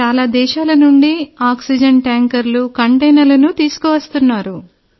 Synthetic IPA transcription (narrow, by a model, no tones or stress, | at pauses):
aːlaːd̪ɛːʃaːlɐnuɳɖiaːksid͡ʒɐɳʈaːŋkɐɾlukɐɳʈɐjnɐlɐnut̪iːsu̥kɔːʋɐst̪unːaːɾu